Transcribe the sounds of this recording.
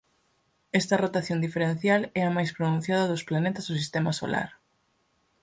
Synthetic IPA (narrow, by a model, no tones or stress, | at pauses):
ɛst̪ɐrot̪aθjond̪ifeɾẽn̟θjalɛɐmajspɾonũn̟θjaðɐðʊsplanet̪ɐzðʊs̬ist̪ɛmaso̰la̰ɾ